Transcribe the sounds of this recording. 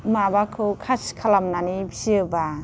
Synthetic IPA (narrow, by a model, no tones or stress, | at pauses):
mabakʰɯkʰaskʰalamnanibisiba